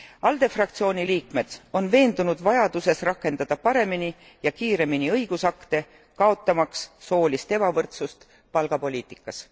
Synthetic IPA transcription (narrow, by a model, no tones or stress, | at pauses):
ɑld̪e̞frɑk̚t̪sio̞ːnʲiliːkme̞d̪̥o̞nve̞ːnd̪unud̪̥vɑjɑd̪̥use̞srɑkːˑe̞nd̪ɑd̪̥ɑpɑɾe̞mini | jɑkiːɾe̞miniɤjɡ̥usɑkt̪e̞ | kɑo̞t̪ːˑɑmɑksːo̞ːlʲist̪e̞bɑvɤrt̪sust̪ | pɑlɡ̥ɑpo̞lʲiːt̪ˑikːˑɑs